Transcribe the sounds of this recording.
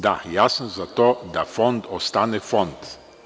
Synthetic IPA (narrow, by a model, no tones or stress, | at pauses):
d̪ajasn̩zat̪od̪afɔnd̪ɔst̪anefɔnt̪